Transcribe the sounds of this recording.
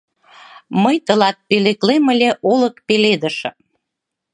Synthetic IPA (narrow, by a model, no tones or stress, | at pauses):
məjt̪əlɑt̪̚peleklemə̆lʲeʔoləkpeled̪əʃ